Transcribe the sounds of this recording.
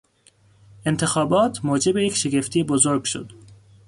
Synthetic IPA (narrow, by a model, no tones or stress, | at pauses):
ʔe̞nt̪ʰe̞xɒːbɒːt̪ʰmoːd͡ʒe̞bejecʰʃe̞ɡe̞ft̪ʰiːebozoɾɡʃo̰d̪̥